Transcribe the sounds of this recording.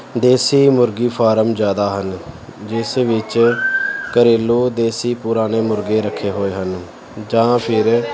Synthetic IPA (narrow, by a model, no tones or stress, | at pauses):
d̪eːsiːmʊɾɡiːpʰaːɾəmd͡ʒjaːd̪aːɦənd͡ʒɪsʋɪt͡ʃ | kəɾɪlːuːd̪eːsiːpʊɾaːneːmʊɾɡeːɾəkʰːeːɦoːeːɦən | d͡ʒãːpʰɪɾ